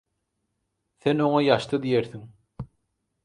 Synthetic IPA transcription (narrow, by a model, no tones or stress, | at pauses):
θeno̞ŋɑjɑʃt̪ɯd̪ijeɾθiŋ